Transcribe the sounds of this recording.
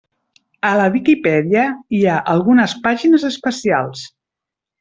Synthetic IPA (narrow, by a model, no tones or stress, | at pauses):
ələβikipɛðiəiaʔəlˠɣunəspaʒinəzəspəsia̰lˠs